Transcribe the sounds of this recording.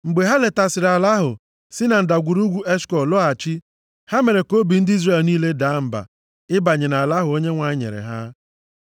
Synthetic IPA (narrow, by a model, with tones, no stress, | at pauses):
ŋ͡m̩˨ɡ͡be˨ɦa˦le˨ta˨sɪ˨ɾa˨la˦ɦʊ̰˨ | sɪ˦na˨n̩˨da˨ɡʷu˨ɾu˦ɡʷu˦ʔe˦skɔ˨lɔ˦a˨t͡ʃi˦ | ha˦me˨ɾe˨ko˦bi˨n̩˦dɪ˦i˦zre˦˨lniː˦le˦da˨˦m̩˨ba̰˨ | ɪ˦ba˨ɲe˨na˨la˦ɦʊ˨o˦ɲe˦ŋʷa˨˦ɲḛ˨ɾḛ˨ɦa˦